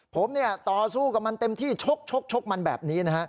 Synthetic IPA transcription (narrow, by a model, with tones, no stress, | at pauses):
pʰo˩˦mni˥˩ɐt̪ɔː˨˩suː˥˩ka˨˩ma˧nt̪e˧mt̪ʰiː˥˩t͡ɕʰo˦˥k̚t͡ɕʰo˦˥k̚t͡ɕʰo˦˥k̚ma˧nbɛ̰ː˨˩p̚niː˦˥na˦˥ka˦˥ʔ